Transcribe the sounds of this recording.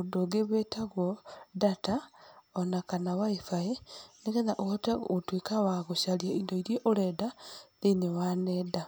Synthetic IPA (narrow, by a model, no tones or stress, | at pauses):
udoɡeβetaɣwodataonakanawaifaeniɣeðaʔootḛɣotwekawaɣoʃaljaindoiɾjeʔoɾɛdaðenewaneda